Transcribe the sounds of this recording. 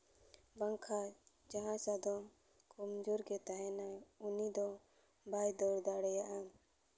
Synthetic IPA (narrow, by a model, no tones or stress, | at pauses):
baŋkʰa | d͡ʒaɦãsad̪ɔm | kɔmd͡ʒuɾɡɛt̪aɦɛnajunid̪ɔ | bʱajd̪ɔɽd̪aɽɛjaʔa